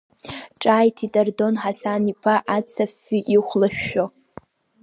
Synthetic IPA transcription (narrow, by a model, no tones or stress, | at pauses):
ʈ͡ʂʼaːjtʰitʼardo̞nħasanipʰaʔat͡sʰafːiʔiχʷlaʃᶣːo